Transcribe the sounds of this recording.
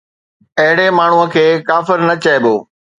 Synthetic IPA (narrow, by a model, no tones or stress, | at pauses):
ɐɦɪɽemaːɳ̤uə̆kʰeːkaːfɪɾnɐt͡ɕɐeboː